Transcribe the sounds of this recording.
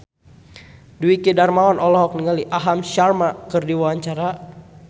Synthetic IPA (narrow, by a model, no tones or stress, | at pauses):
duikidarmawanʔɔlɔɦɔk̚nəŋaliʔaɦamʃarmakɨrdiwaaɲt͡ʃaɾa